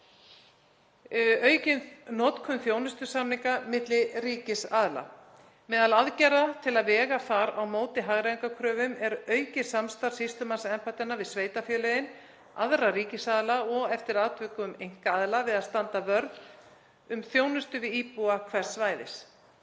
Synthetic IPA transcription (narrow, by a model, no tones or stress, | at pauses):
œːɥcɪnnɔːt̪kʰʏmθjoːwnʏst̪ʏsamniŋkamɪt̪lɪriːcɪsaðla̰ | mɛːðalaðcɛɾat̪ʰɪlaðvɛːɣaθaɾawmoːwt̪ɪɦaɣɾajŋkakʰɾœːvʏmɛɾœːɥcɪsamst̪aɾ̥sist̪ʏmansɛmpajt̪anːavɪðsveːjt̪afjœːlɛjɪn | a̰ðrariːcɪsaðlaɔɣɛft̪ɪɾaːt̪ʰvʏkʏʏmejŋ̥kaaðlavɪðaðst̪ant̪avœɾð | ʏmθjownʏst̪ʏvɪðiːpuakʰvɛr̥sːvaːjðɪ̰s